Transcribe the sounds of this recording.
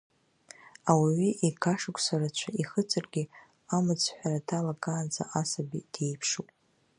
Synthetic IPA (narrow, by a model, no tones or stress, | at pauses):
awiɥiʔiɡʰaʂɨkʷʼʰsarat͡ɕʷʰaiχət͡sʼɨrɡʲi | amɨt͡sʰʼħʷᶣaratʰalakʼaːnd͡za̰ʔasabḭd̥ejpʰʂupʼ